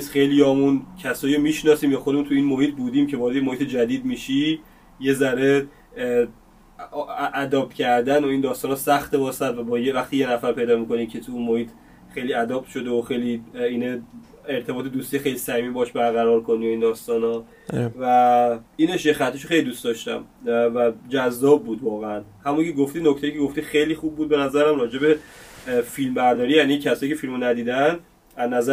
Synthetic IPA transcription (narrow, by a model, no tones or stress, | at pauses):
esxejlijɒːmuncʰæsɒːiɾomiːʃnɒsiːmjɒːxod̪emunt̪ʰuiːnmohiːt̪̚ʰbuːd̪iːmcʰe̞vɒːɾed̪eemoiːt̪ʰed͡ʒæd̪iːd̪miːʃi | je̞zæɾe̞ | ʔæd̪ɒːbcʰæɾd̪ænoiːnd̪ɒːst̪ɒːnhɔsæxt̪ebɒːsæd̪væbɒːjevæxt̪iːjenæfæɾpʰe̞jd̪ɒːmiko̞niːmcʰe̞t̪ʰuunmohiːt̪ʰ | xejliæd̪ɒbʃo̞d̪eoxe̞jliːiːne | eɾt̪ʰe̞bɒːt̪ʰed̪ust̪ijxejlisæhimibɒʃbæɾɣæɾɒːɾkʰonujeiːnd̪ɒːst̪ɒːnɒ | væiːneʃexæt̪ʰːeʃoxejlid̪uːst̪d̪ɒʃt̪æ̰mvæd͡ʒæzːɒːb̚ːuːd̪vɒːɣeænhæmuncʰeɡoft̪iːnoct̪ejiːcʰeɡoft̪ixejliːxub̚ːuːd̪̚be̞næzæɾæmrɒːd͡ʒe̞be | filmbæɾd̪ɒːɾijænicʰæsɒːjiːcʰe̞filmonæd̪iːd̪æn | æznæzæ